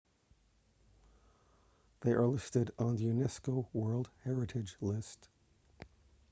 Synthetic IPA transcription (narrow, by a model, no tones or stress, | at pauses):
ðeɪʔə˞lɪstɨɾn̩ðjʉnɛskoʊwɜ˞lˠd̥̚hɛɹɨɾɪd͡ʒlɪst